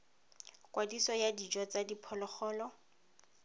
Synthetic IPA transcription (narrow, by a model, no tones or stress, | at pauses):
kwadisɔjadid͡ʒɔt͡sadipʰɔlɔχɔːlɔ